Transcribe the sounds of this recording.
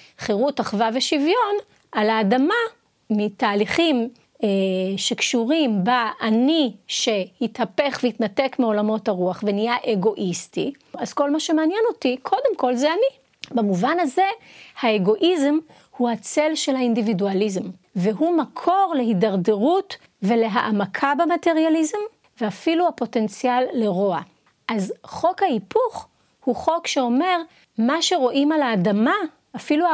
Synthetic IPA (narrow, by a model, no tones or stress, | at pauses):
χeʁutaχvaveʃivjo̞n | ʔalaːdama | mitaːliχim | ʃekʃuʁimbaʔːniʃe̞hithape̞χveitnate̞kmeo̞lamo̞thaʁuaχvenijaʔeɡo̞ʔistḭ | az̥ko̞lmaʃemeanjɛno̞tikʰo̞de̞mko̞lzeani | bemuvanaze̞haeɡo̞ʔizem | huhat͡se̞lʃe̞lhaindividualizemveɦumakʰo̞ʁle̞ɦidaʁdeʁut | ve̞le̞ɦaʔamakʰabemate̞ʁjalizem | veafiluhapo̞te̞nt͡sialːe̞ʁoa | ʔazχo̞khaipuχ | huχo̞kʃeo̞me̞ʁ | maʃe̞ʁo̞ʔimalaːdama | afilua